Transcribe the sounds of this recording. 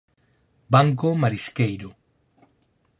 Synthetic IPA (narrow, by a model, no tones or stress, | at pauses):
baŋkomaɾiskejɾo